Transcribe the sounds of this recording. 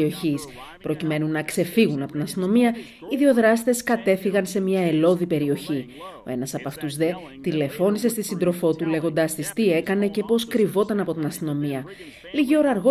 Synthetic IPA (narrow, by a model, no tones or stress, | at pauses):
o̞çis | pɾo̞cime̞nunɐkse̞fiɣunɐpot̪inɐst̪ino̞miɐ | iðio̞ðɾɐst̪e̞skɐt̪e̞fiɣɐnse̞mɲɐe̞lo̞ðipe̞ɾio̞çi | o̞̰e̞nɐsɐpɐft̪uzðe̞ | t̪ile̞fo̞nise̞st̪isind̪ɾo̞fo̞t̪ule̞ɣo̞nd̪ɐst̪ist̪ie̞kɐne̞ce̞po̞skɾivo̞t̪ɐnɐpo̞t̪inɐst̪ino̞miɐ | liʝio̞ɾɐɾɣo